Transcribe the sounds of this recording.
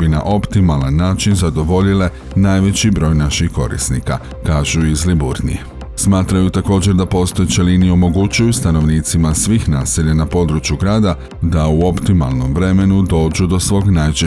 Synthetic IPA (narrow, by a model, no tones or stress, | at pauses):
bina̰ʔo̞pt̪imalˠanːaːt͡ʃinzad̪o̞ʋo̞ʎile̞ | naːjʋe̞t͡ɕibɾo̞ːjnaʃixko̞̰ɾḭsnika | kaːʒuizlibuɾnḭje | smaːt̪ɾajut̪ako̞ːd͡ʑe̞ɾd̪apo̞ːst̪o̞jt͡ʃeliːnijeo̞mo̞ɡut͡ɕujust̪ano̞ʋniːt̪simasʋiːxnaːseʎanapo̞d̪ɾut͡ʃjuɡɾaːd̪a | d̪auo̞pt̪ima̰lˠno̞mʋɾe̞me̞nud̪o̞ːd͡ʒud̪o̞sʋo̞ːɡnajt͡ʃe